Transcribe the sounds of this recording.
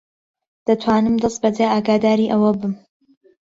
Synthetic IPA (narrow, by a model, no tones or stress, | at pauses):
d̪̥ɐt̪ʰwaːnɨmd̪ɨst̪̚bɐd̪aːaːɡaːd̪aːɾiːʔɐwɐbɨm